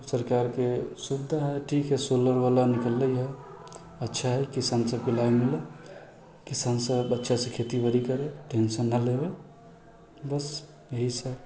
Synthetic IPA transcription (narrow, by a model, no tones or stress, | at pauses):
səɾkaɾkesud̪ʱːaɦɛʈʰikɦesoləɾbalanikəlːəjɦɛ | ətːʃʰaɦɛkisansə̃pilaimilə | kisansə̃bətːʃʰasə̃kʰet̪ibəɾikəɾeʈensənːalebe | bəs | jəɦisə